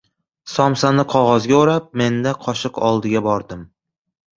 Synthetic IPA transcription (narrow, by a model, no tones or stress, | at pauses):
sɒmsanɪqʰɒʁɒzɡʲaoɾap̚me̞nd̪aqʰɒʃɨqɒlˠd̪ɪɡʲabɒɾd̪ɪm